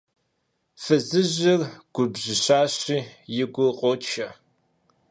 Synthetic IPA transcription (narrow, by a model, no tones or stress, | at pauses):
fɨzɨʑɪrɡ̥ʷʊbʑɪɕaːɕiːjɪɡʷʊqʼɔt͡ʃʰɐ